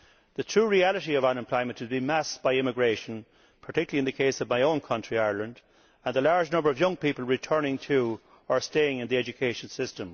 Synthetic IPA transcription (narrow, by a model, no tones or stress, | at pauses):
ðɨtʰɹ̥uːɹiælˠəɾiʌvanɨ̃mpʰl̥ɔɪmə̃ntɨzbĩmæsb̥aɪɪ̃mɪɡɹeɪʃə̃n | pʰə˞tʰɪkjl̩iɨ̃nðɨkʰeɪsʌvmaɪõʊ̃nkʰʌ̃nt͡ʃɹ̥iaɪə˞lə̃nd | ə̃nðəlaɹd͡ʒnʌ̃mbə˞ʌvjʌ̃ŋpipəlˠɹɨtʰɜ˞nɪ̃ŋtʰə | ə˞steɪɪ̃ŋɨ̃nðiɛd͡ʒɨkʰeɪʃə̃n̩sɪstə̃m